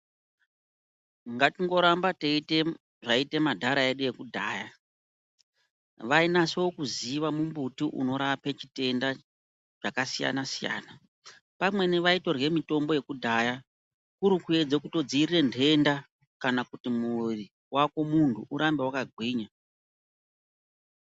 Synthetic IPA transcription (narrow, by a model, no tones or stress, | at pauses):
ŋɡatiŋɡo̞ɾambateite | ʐaite̞madʱaɾae̞ɗuje̞kudʱaːja | ʋainasewokuziʋamumbutiʔṵno̞ɾape̞t͡ʃite̞nda | t͡ʃakasija̰nasija̰ːna | pamwe̞neʋaito̞rje̞mito̞mbo̞je̞kudʱaːja | kuɾikue̞d͡zekuto̞d͡ziirire̞nde̞nda | kanakutimuri | wʔako̞muntʰuʔuɾambe̞wakaɡʱwiːɲa